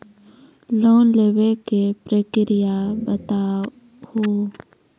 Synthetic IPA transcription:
loːnleːwekepɾəkɾɪjabət̪aː | hoː

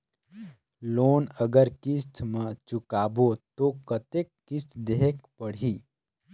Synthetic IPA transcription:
loːnəɡəɾkɪst̪ʰmə̃t͡ʃukaːbot̪okət̪ekːɪst̪ʰd̪eɦekpəɽ̤iː

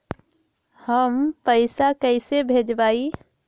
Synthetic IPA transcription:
həmpəɪsakɛɪsebʱeːd͡ʒbaːi

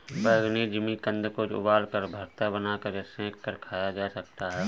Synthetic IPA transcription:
bəɡnid͡ʒɪmikə̃nd̪kod͡ʒʊ̰baːlkəɾbʱəɾt̪abənaːkəɾsẽːkːəɾkʰaːjad͡ʒaːsɐk̚t̪aɦɛː

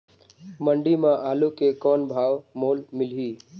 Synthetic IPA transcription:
məɳɖimãʔaːlukekɔːnbʱaːwmoːlmɪlɦiː

